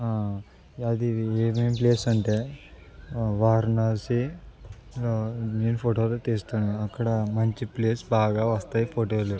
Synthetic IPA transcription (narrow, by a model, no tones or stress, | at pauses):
aː | ɐd̪ieːmempleːsɐɳʈeː | ʋaːɾnaːsi | neːnupʰoːʈoːloːt̪eːst̪aːnuɐkːɐɽɐmɐɲt͡ʃipleːsbaːɡaːʋɐst̪aːjipʰoːʈoːleɾ